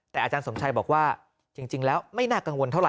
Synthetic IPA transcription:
t̪ɛː˨˩ʔaː˧t͡ɕaː˧nso˩˦mt͡ɕʰa˧jbɔː˨˩k̚waː˥˩ | t͡ɕi˧ŋt͡ɕi˧ŋlɛː˦˥wma˥˩jnaː˥˩ka˧ŋwo˧nt̪ʰwɾa˨˩

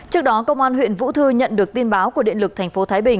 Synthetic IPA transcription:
t͡ɕɨ˦˥ək̚ɗɔ˨˦kə˧wŋ͡mʔaː˧nɦw̰ənvṵ˧˥t̪ʰɨ˧ɲə̰˧˨nɗɨ˨˩ək̚t̪i˧nɓaː˨˦wku˧˩əɗḭ˧˨nlɨ˨˩k̚t̪ʰa˨˩jŋ̟fo˨˦t̪ʰaː˨˦jɓï˨˩ŋ

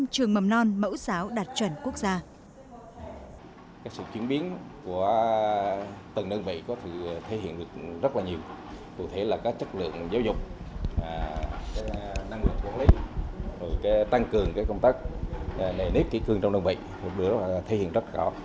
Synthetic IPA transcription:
t͡ɕɨ˨˩əŋmə˨˩mnɔ˧nmə̰˧˥wsaː˨˦wɗaː˨˩t̚t͡ɕwə˧˩nku˦˥ək̚zaː˧ | kaː˦˥ksɨ̰˧˨t͡ɕwi˨˦ənɓi˨˦ənku˧˩ə | t̪ə˨˩nɗə˧nvḭ˧˨kɔ˨˦t̪ʰɨ˧˨t̪ʰe˧˦hḭ˧˨ənɗɨ˨˩ək̚zə˦˥t̚laː˨˩ɲi˨˩əwkṵ˧˨t̪ʰe˨˦laː˨˩kaː˦˥k̚t͡ɕə˦˥k̚lɨ̰˧˨əŋzaː˨˦wzʊ˨˩k͡p̚ː | kaː˨˦jna˧ŋlɨ˨˩k̚ːu˨˧˩li˨˦zo˨˩jkaː˨˦jt̪a˧ŋkɨ˨˩əŋkaː˨˦jkə˧ŋ͡mt̪aː˦˥k̚ne˨˩ne˦˥p̚kḭ˧˥kɨ˧əŋt͡ɕɔ˧wŋ͡mɗə˧nvḭ˧˨h̚ʰɗɨ˧˩zt̪ʰe˨˦hḭ˧˨ənzə˦˥t̚lːɔ˨˦

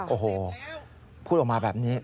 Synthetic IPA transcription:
ʔoː˨˩ɦoː˨˩ | pʰuː˥˩ɔː˨˩maː˧bɛː˨˩p̚niː˦˥

